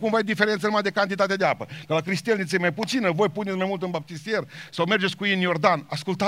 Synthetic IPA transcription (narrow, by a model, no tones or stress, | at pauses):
kumvajd̪ife̞ɾe̞nt̪sənumad̪ekant̪it̪at̪ed̪eapəkəlakɾist̪elnit̪sʲejmajput̪sinəvo̞jpunesmajmult̪ɨnbap̚t̪isije̞rsawme̞rd͡ʒet̪sʲkujinjo̞rd̪anaskult̪a